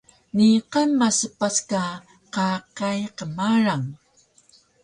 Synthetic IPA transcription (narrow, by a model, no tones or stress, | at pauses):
niqanmːasəpaska | qaqajqəmaɾaŋ